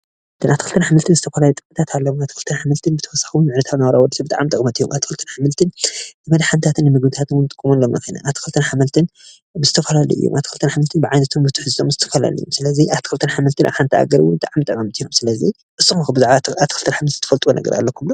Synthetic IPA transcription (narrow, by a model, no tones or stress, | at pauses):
t̪ʰɨnat̪ʰːxɨlt̪ʰɐnħamɨlt̪ʰɨnzɨt̪ʰɐfɐlalit̪ʼɨkʼmɨt̪ʰat̪ʰalːɐuat̪ʰːixɨlt̪ʰɐnħamɨlt̪ʰɨnbɨt̪ʰɐ̥wɐsːḁxiwnmɨʕnɐt̪ʰaβnawaɾawɔd̪sbɨt̪ʼaʕamt̪ʼɨkʼmɐt̪ijːomʔa̰t̪ʰːi̥kɨlt̪ʰɐnħamɨlt̪ʰɨnbɨmɐd̪ħant̪ʰat̪ʰɨnːɨmɨɡmɨt̪ʰat̪ʰɨwʊnt̪ʼɨkʼːumonːomnɐ̰xɨnɐ̰ʔaβt̪ʰi̥xɨlt̪ʰɐnħamɨlt̪ʰɨn | bɨzɨt̪ʰɐfɐlalṵʔɨ̰jːo̰mʔat̪ikʰɨlt̪ʰɐnħamɨlt̪ʰɨnbɨʕajnɐt̪ʰombɨt̪ʰuħɨzɨt̪ʰomzɨt̪ʰɐfɐla̰lḭjːomsɨlɐziʔat̪ʰkɨlt̪ʰɨnħamɨlt̪ʰɨnʔa̰ħant̪ʰa̰ɡɐɾwʊnbɨt̪ʼaʕamt̪ʼɐkʼːɐmɐt̪ijːomsɨlɐzi | ʔɨsʼːɨxxubɨzaʕβaat̪ʰːxɨlt̪ʰɐnħamɨlt̪ʰnt̪ʰɐfɐlt̪ʼwonʔɐ̰ɡɐ̰ɾʔa̰lːɐkʰumlo